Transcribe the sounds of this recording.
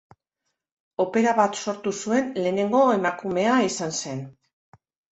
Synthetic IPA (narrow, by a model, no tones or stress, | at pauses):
o̞pe̞ɾaβat̪so̞ɾt̪usue̞nle̞ːne̞ŋɡo̞emakume̞aisanse̞n